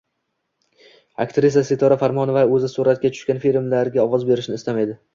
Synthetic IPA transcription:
a̰kt̪ɾɪs̬aset̪ʰɒɾafaɾmɒnovaɵzɪsuɾat̪̚kʲat͡ʃʰʊ̥ʃkʲanfilmlaɾɡʲaɒvɒzbe̞ɾɪʃnɪst̪amed̪ɪ

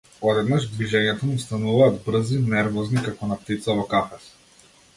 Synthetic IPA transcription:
ɔd̪ɛd̪naʒd̪viʒɛɲɛt̪ɔmust̪anuvaːd̪br̩zinɛɾvɔznikakɔnap̚t̪it̪savɔkafɛs

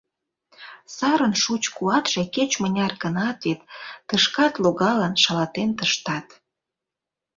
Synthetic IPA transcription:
sɑɾənʃut͡ɕkuɑt̪ʒ̥eket͡ɕmənʲɑrkənɑt̪vet̪ːəʃkɑt̪loɣɑlənʃɑlɑt̪ent̪əʃt̪ɑt̪

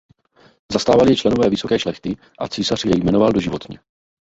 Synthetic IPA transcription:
zast̪aːvalɪjɛt͡ʃlɛno̞vɛːvɪso̞kɛːʃlɛxt̪ɪ | ʔa̰t͡siːsar̥jɛjmɛno̞valdo̞ʒɪvo̞t̪ɲɛ̰

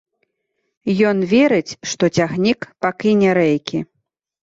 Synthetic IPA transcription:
jɔnvʲɛɾɨt͡sʲʂt̪ɔt͡sʲaɣnʲikpakʲinʲɛɾɛjkʲi

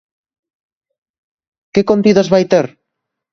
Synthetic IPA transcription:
kekont̪iðozβajt̪eɾ

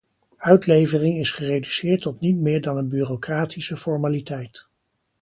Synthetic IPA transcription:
œɥtlejvərɪŋɪsχərejdysɪːɹtːɔtnitmɪːɹdɑnənbyːrokraːtʰisəfɔɹmaːlitɛjt

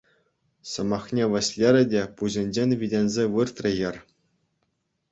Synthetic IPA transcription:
sɤ̆mɑχnʲeʋʲɘ̆ɕʲlʲeɾʲɘ̆dʲepuʑʲĕnʲd͡ʑenʲʋʲidʲenʲzʲeʋɯrt̪rʲĕjɘ̆rʲ

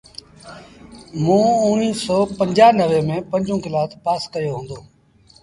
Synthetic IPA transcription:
mũːʊːniːsɔːpəɲd͡ʒaːnəʋeːmẽːpəɲd͡ʒũːkɪlaːt̪paːskəjoːɦũːnd̪oː

